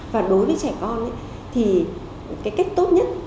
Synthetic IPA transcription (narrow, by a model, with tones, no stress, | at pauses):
vaː˨˩ɗo˨˦jvəː˨˦jt͡ɕɛ˧˩kɔ˧nʔa̰˨˦ | t̪ʰi˨˩ | kaː˨˦jka˦˥jk̟̚t̪o˦˥t̚ɲə˦˥t̚